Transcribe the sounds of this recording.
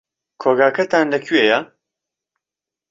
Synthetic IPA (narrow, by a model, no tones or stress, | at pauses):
kʰoːɡaːkʰɐt̪ʰaːnlɐkʰyejɐ